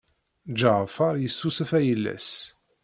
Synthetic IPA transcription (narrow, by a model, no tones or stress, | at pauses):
d͡ʒaʁfɑɾˤjəsːusæfæjəlːæ̰s